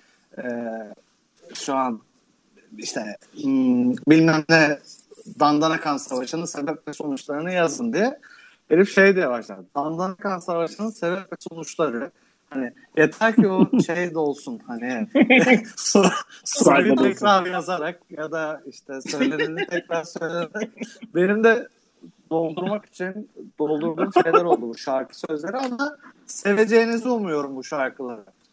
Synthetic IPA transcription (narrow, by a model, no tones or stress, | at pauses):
ɛː | ʃuan | iʃt̪ʰɛ | bilʲmæmlʲɛ | d̪and̪anakʰansavaʃɯnɯsebɛp̚lɛso̞nut͡ʃlˠaɾɯnɯjazɯnd̪ijɛ | ɟeɾipʃe̞jd̪ɛjavaʃlˠa̰ɾd̪d̪and̪anakansavaʃɯnɯsebɛplɛso̞nut͡ʃlˠaɾɯ | hanɪ | jet̪ʰæɾcʰioʃejd̪o̞lˠsunhanɪ | sosojiɛkɾaɾɾjazaɾak̚jad̪aiʃt̪ʰɛsø̞jlʲenint̪ʰɛcɾaɾsø̞jlʲeneɾɛcbe̞nimd̪ɛ | d̪o̞lˠd̪uɾmaki̥t͡ʃʰind̪̥o̞lˠd̪uɾmakʃe̞jlʲæɾo̞lˠd̪ubuʃaɾkʰɯ̥sø̞zlʲe̞ɾianase̞ve̞d͡ʒe̞jnizulˠmujo̞ɾumbuʃaɾkʰɯlˠaɾɯ